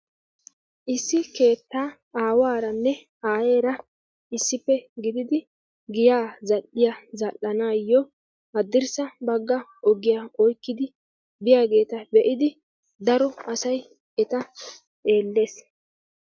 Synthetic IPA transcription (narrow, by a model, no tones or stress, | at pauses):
ʔɪsːɪke̞ːt̪ːaː | aːwaːɾɐnːɛ | aːjeːɾɐ | ɪsːɪfːɛɡɪd̪ɪd̪ɪ | ɡɪjaːzɐʔːɪjazɐʔːɐnaːjːɔ | hɐd̪ːɪɾsɐbɐɡːɐɔɡɪjaʔɔjkːɪd̪ɪ | bɪjaːɡe̞ːt̪ɐbɛʔɪd̪ɪ | d̪ɐɾɔɐsɐj | ɛt̪ɐ | ʔe̞ːlːe̞ːs